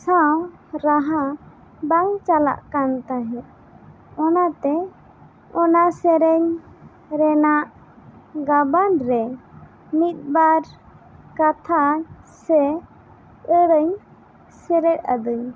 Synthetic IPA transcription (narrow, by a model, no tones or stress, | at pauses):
saw | ɾaɦa | baŋt͡ʃala̰ʔkant̪aɦɛ | ɔnat̪ɛ | ɔnasɛɾɛɲ | ɾɛnaʔ | ɡabanɾɛ | mit̪̚baɾ | kat̪ʰasɛ | əɾəɲ | sɛɾɛt̪̚ˀa̰d̪uɲ